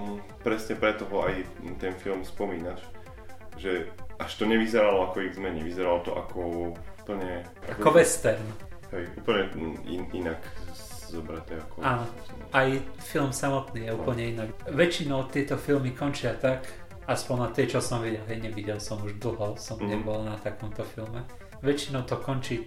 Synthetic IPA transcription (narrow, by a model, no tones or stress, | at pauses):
pɾɛsɲɛpɾɛt̪ɔɦɔajt̪ɛnfilmspɔmiːnaʃ | ʒɛaʃt̪ɔɲɛʋizɛɾalɔakɔiɣzmɛɲɛʋizɛɾalɔt̪ɔʔa̰kʰɔupl̩ɲɛ | ʔa̰akkɔʋɛst̪ɛɾnɦɛjʔuːpl̩ɲɛḭinak | zɔbɾat̪ɛakɔaːnɔs | ajfilmsamɔt̪niːjɛuːpl̩ɲɛinaɡʋɛt͡ʃinɔʊt̪ɪɛt̪ɔfilmikɔnt͡ʃɪat̪ak | aspɔnnat̪ɛt͡ʃɔsɔmʋiɟɛlɦɛjɲɛʋiɟɛlsɔmuʒd̪l̩ˠɦɔsɔmɲɛbɔlnat̪akɔmt̪ɔfilmɛ | ʋɛt͡ʃinɔʊt̪ɔkɔnt͡ʃiː